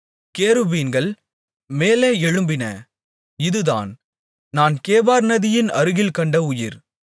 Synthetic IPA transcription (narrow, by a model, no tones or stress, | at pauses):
keːɾɯbiːnɡɐɭ | meːleːɛɻɯmbɪnɐ̰ | ɪðɯða̰ːn | naːnkeːbaːɾnɐðɪjɪnɐɾɯɣɪlkɐɳɖɐʊjɪɾ